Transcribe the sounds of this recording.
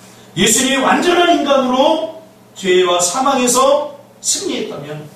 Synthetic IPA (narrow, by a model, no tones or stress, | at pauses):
je̞sʰuɲimewand͡ʑʌnɦaninɡanɯɾo | t͡ɕwewasʰamaŋe̞sʰʌ | sʰɯmɲiɦe̞t̚t͈amjʌn